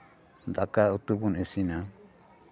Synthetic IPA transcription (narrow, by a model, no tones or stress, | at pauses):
nd̪akaut̪ubunẽsinã